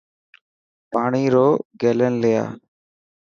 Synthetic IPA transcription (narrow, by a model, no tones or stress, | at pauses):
paːɳiːɾoːɡeːlənlɪja̰ː